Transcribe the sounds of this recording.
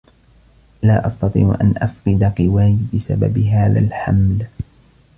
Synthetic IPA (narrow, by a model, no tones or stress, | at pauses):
laːʔɑst̪ɑt̪ˤḭːʕ̰ʔa̰nʔafqɨd̪aqɨwaːjbɪsa̰ba̰bɪɦaːða̰lħa̰ml